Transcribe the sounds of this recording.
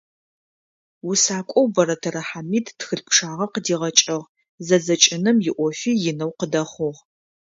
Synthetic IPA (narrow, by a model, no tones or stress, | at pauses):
wʊsaːkʷʼɔwbɐɾɐtʰɐɾɐħamiːttxɨɬpʰʂaːʁɐqədiːʁɐt͡ʃʼɐʁ | zɐzɐt͡ʃʼɪnɨmjɪʔʷɔfiːjɪnɐwqədɐχʷʊʁ